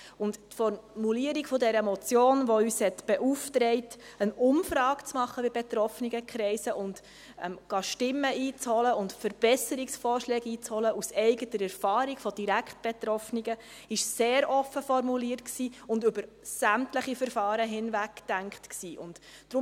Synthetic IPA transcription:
ʊndtfɔɾmuliəɾiɡfɔdɛɾəmɔt͡sjoːnʋɔyːshɛtb̥ɛʔuftɾɛɪtənʊmfɾɑːkt͡smɑχːəbɪbɛt̪ɾɔfniɡəkχɾɛɪsəʔʊnd | ɛ̰mɡ̥ɑʃtɪmːəʔiːt͡shɔləʊntfəɾb̥ɛsəɾiksfɔːɾʃlɛːɡiːt͡shɔləusɛɪɡətəɾɛɾfɑːɾiɡfɔd̥iɾækχt̚b̥ɛtɾɔfniɡə | ɪʃseːɾɔfəfɔɾmuliːətksiːʊndʏbəɾ | sæmtləχifəɾfɑːɾəɦɪnvækd̥æŋkχtksiːʔʊntd̥ɾʊm

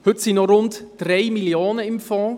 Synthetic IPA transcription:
hʏtsinɔɾʊntd̥ɾeɪmiljoːnəɪmfɔ̃ː

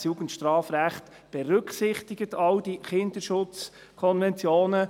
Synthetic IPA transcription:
sjuɡ̥ənt̪ʃtɾɑːfɾæχt | b̥ɛɾʏkχsɪχt̪ɪɡ̥ət̪ʰɑld̥iχɪnd̪əɾʃʊt͡s | kʰɔnvɛnt͡sjoːnə

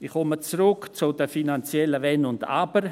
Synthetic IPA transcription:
ɪχɔmət͡sɾʊkt͡sʊdəfinant͡sjɛləvɛnʊnda̰b̥əɾ

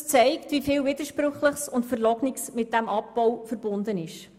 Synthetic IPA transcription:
t͡sɛɪktvifɪːlvɪd̪əʃpɾɵχləχsʊntfəɾlɔɡnɪksmɪt̚d̥æmʔɑp̚b̥ɔwfəɾbʊnd̪ənɪʃ

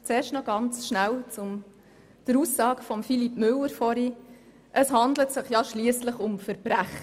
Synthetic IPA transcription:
t͡seːɾʃtnɔɡɑnt͡sʃnælt͡sʊm | d̥əɾusːɑːkfɔmfilipmʏlːəɾfɔɾi | ʔəshɑndlətsɪχjɑʃliəsləχʊmfəɾbɾæχ

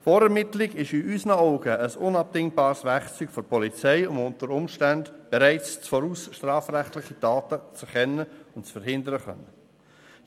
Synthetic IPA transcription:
fɔːɾɛɾmɪtlɪɡɪʃiʔysnəɔʊɡ̥əəsʊnɑb̚d̥ɪŋbɑːɾsʋæχt͡syːɡ̥fɔɾpʰɔlit͡sɛɪʊmʊntəɾʊmʃtændb̥ɛɾæɪt͡st͡sfɔɾuːsʃtrɑːfɾæχtlɪχidɑːtət͡suχɛnːəʊntt͡sfəɾhɪndəɾəχœ̰nːə

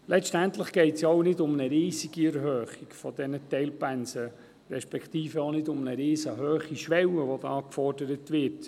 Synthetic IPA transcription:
lʔɛtt͡ʃtæntləχɡ̥ɛɪtsjɑwnɪdʊmnəɾiːsiɡ̥iɛɾɦøːχikfɔdɛnətɛɪlpænsə | ɾɛʃpɛkʰt̪iːfəonɪdʊmnəɾɪːsəɦøːχiʃʋɛwəʋodɑɑkfɔrd̥əɾətʋɪt

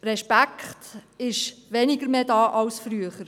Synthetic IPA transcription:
ɾɛʃpækχtɪʃʋɛniɡəɾmeːdɑːʔɑwsfɾyəχəɾ

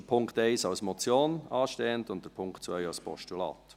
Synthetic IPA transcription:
əpʰʊŋktɛɪsɑʊsmɔt͡sjoːnɑːʃtɛːəntʊnt̚d̥əɾpʰʊŋktt͡svœjɑwspɔ̰ʃtulɑ̰ːt̪

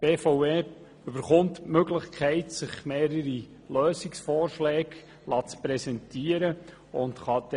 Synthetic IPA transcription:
b̥eːfoʊeː | ʏb̥əɾχʊntmøɡlɪχkʰɛɪtsɪχmeːɾəɾi | løːsɪksfɔːɾʃlɛːɡ | lɑːt͡spɾɛsɛntiəɾə | ʊntχɑd̥̪

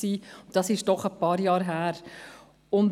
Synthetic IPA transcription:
ksiːʊnd̥ɑsɪʃd̥ɔχəpɑːɾjɑːɾɦæːɾ | ʊn

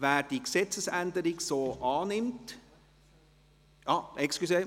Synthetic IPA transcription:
ʋæːɾd̥iːksɛt͡səsændəɾɪɡsoːʔɑːnɪmt | jɑʔɛksklyse

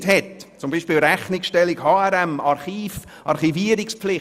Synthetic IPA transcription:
thɛtt͡sʊmbiːʃpiːlɾɛχnɪksʃtɛlɪɡhɑːɛɾɛmɑɾχiːf | ʔɑ̰ɾχiviːəɾɪkspflɪ

